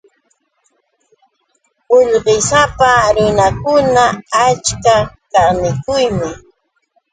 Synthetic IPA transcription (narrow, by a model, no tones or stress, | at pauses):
ʊʎɢɪsapaɾɪnakʊnaat͡ʃkakaɾnɪkʊjmɪ